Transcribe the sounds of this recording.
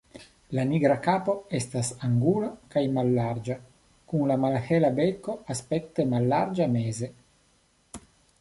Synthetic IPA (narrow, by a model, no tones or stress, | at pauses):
laniɡɾakaːpoest̪asaŋɡulakajmalːaɾd͡ʒa | kunlamalhelabekoaspek̚t̪emalːaɾd͡ʒameːze